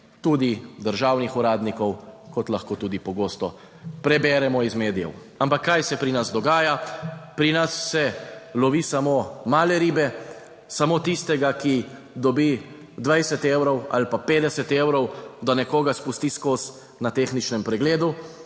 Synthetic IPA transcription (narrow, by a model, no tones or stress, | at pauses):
t̪uːd̪id̪əɾʒaːwnixuɾaːd̪nikɔw | kɔt̪laxkoːt̪uːd̪ipɔɡoːst̪ɔ | pɾɛbɛːɾɛmɔizmeːd̪ijɛ̰w | ampakːajsɛpɾinazd̪ɔɡaːjapɾinasːɛlɔʋiːsamomaːlɛɾiːbɛ | samoːt̪ist̪ɛɡaki | d̪ɔbi | d̪ʋajsɛt̪eːwɾɔwa̰lpapeːd̪ɛsɛt̪ewɾɔwd̪anɛkoːɡaspust̪iskoːs | nat̪eːxnit͡ʃnɛmpɾɛɡleːd̪u